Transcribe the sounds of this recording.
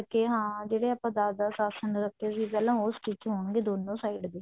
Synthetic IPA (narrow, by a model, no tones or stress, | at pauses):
əkːeːɦãːd͡ʒeːɽeːaːpãːd̪aːd̪aːsaːsənɾəkʰːeːsiːpɛlõːoskɪt͡ʃɦoːɳɡeːd̪oːnõːsaːiɖd̪eː